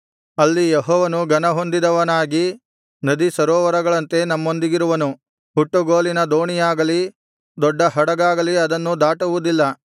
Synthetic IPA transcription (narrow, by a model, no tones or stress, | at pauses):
ɐlːijɛɦɔːʋɐnuɡɐnɐɦo̞nd̪id̪ɐʋɐnaːɡi | nɐd̪isɐɾɔːʋɐɾɐɡɐɭɐnt̪e̞nɐmːo̞nd̪iɡiɾuʋɐnu | huʈːuɡoːlinɐd̪oːɳijaːɡɐli | d̪ɔɖːɐɦɐɽɐɡaːɡɐliɐd̪ɐnːud̪aːʈɐʋud̪ilːɐ